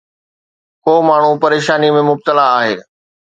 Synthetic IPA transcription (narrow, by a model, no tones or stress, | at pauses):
koːmaːɳ̤upɐɾeːʃaːnimẽmʊb̚t̪əlaːɦeː